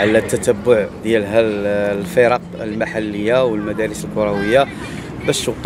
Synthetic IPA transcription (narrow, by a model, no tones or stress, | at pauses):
ʕlæt̪ːæt̪əbːʊʕd̪jælɦælfiɾɑq | əlmaħalːəjːawəlmæd̪æɾəsəlkʊɾˤɑwəjːa | bæʃwt̪